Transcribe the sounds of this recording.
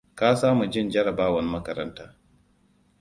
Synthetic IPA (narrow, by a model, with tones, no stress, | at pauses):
kaː˦saː˦mu˨d͡ʒɪ˦nd͡ʒɐ˦ɽɐ˨baː˦wɐ˦n˦mɐ˦kɐ˨ɾɐ̰˦ntaː˦